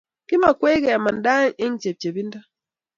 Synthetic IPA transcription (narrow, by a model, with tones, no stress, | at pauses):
kɪ˦ma˨kwe˦kɛ˨a˨ma˨nda˦ŋe˦ŋ˦t͡ʃe˨p̚t͡ʃe˨bi˦nda˦